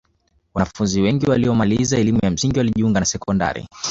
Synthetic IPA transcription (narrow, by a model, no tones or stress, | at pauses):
wanafunziwɛŋɡiwaliɔmalizaɛlimujam̩siŋɡiwaliʄiuŋɡanasɛkɔnda̰ɾḭ